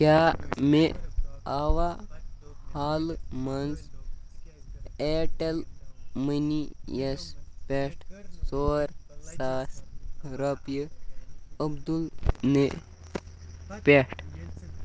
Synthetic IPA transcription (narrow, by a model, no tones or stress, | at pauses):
kaːmeaːʋa | haːlmɐns | eːʈɐlmənijɐspʲeʂʈsoːɾsaːsɾɐpjə | əbd̪ulne | pʲeʂʈ